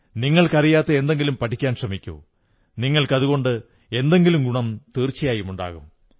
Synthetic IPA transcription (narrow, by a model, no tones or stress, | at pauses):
niŋːɐɭkɐrijaːt̪ːeend̪e̞ŋɡilumpɐʈʰikʲːaːnɕrɐmikʲːṵː | niŋːɐɭkɐðuɣo̞ɳɖɨ | e̞nd̪e̞ŋɡilumɡuɳɐmt̪iːrt͡ɕːijaːjumuɳɖa̰ːɣum